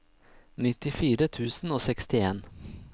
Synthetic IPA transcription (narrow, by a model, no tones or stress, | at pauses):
nɪt̪ɪfiːɾət̪ʰʉːsn̩oːsɛkst̪ɪeːn